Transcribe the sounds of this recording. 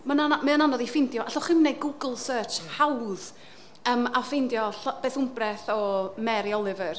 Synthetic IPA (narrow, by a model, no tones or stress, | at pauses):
manaamɨənanɔðifɪndjɔʔaɬɔχɪmnːejɡʊɡəl̩ˠsəːt͡ʃhawð | əːmafɪndjɔɬɔb̥eːθʊmbrɛθɔmɛɾiɔlˠɨvər